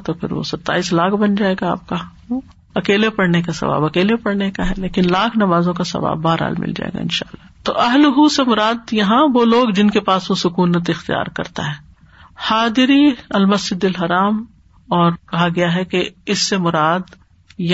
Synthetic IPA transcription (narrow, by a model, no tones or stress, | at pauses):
t̪opʰɪ̰ɾʋo̰sɐt̪ːa̰ːiːslaːkʰbɐnd͡ʒaːeːɡaa̰ːp̚kao | ɐkeːlepɐɽnekasɐ̰ʋa̰ːbɐkeːlepɐɽnekaɦɛleːkɪnlaːkʰnɐmaːzõkasɐ̰ʋa̰ːbːaːɾɦa̰ːlmɪ̰ld͡ʒa̰ːḛːɡa̰ɪ̰nʃa̰ːlːaːt̪o̰ːʔɐɦlɦusemʊɾaːd̪jɐɦãʋoːloːɡd͡ʒɪnkepaːsʋosʊkuːnət̪ɪxt̪ija̰ːɾkɐ̰ɾt̪a̰ɦɛː | haːd̪ɪɾiɐlmɐsd͡ʒɪd̪ɪlɦɐɾaːm | ɔːɾkɐɦaɡɐjaɦɛkeɪsːemʊɾaːd̪ | j